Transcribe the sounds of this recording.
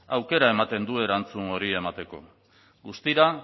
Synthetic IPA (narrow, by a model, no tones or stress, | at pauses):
awke̞ɾae̞mat̪e̞nd̪ue̞ɾant͡suŋo̞ɾie̞mat̪e̞ko̞̰ | ɡust̪iɾa